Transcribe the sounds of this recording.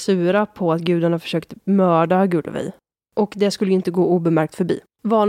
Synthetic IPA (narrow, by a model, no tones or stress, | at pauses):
sʉ̟ːɾapʰɔat̪ɡʉ̟ːd̪aɳafœ̥ʂøːkt̪mœːɖaɡʉ̟ːd̪ə̰vɛ̰j | ʔɔkd̪ɛskɵlːəɪnt̪əɡoːuːbɛmæɾk̚t̪fœɾbḭː | vɑːn